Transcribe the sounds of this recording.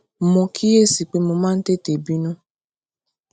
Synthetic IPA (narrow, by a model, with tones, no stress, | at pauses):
mɔ̃˧kʰi˦je˦˨si˨k͡pe˨˦mo˧mãː˦˧n̩˦te˦˨te˨bi˦nũ˦